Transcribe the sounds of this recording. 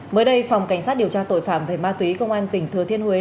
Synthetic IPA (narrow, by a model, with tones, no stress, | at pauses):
məː˨˦jɗə˧jfa˨˩wŋ͡mka˧˩jŋ̟sa˦˥t̚ɗi˨˩əwt͡ɕaː˧t̪o̰˧˨jfaː˧˨mve˨˩maː˧t̪wi˨˦kə˧wŋ͡mʔaː˧nt̪ï˨˩ŋ̟t̪ʰɨ˨˩ət̪ʰi˧ənhwe˨˦